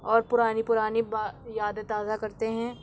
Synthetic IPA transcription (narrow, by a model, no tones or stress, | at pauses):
ɔːɾpʊɾaːnipʊɾaːnibajaːd̪t̪ːaːzakɐɾt̪eɦɛ̃ː